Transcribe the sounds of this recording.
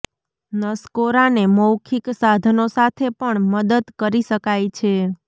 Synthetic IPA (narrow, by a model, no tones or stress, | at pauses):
nəskoɾaneməwkʰiksad̪ʱənosat̪ʰepəɳməd̪əd̪kəɾiʃəkajt͡ʃʰe